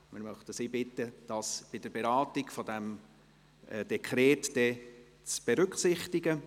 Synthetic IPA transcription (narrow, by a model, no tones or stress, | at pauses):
mɪɾmœχtəsibɪtːəd̥ɑsb̥ɪd̥əɾbeɾɑːtɪɡfɔdɛm | ɛd̥ɛkʰɾɛːtd̥ɛ | t͡sb̥ɛɾʏkχsɪχtɪɡə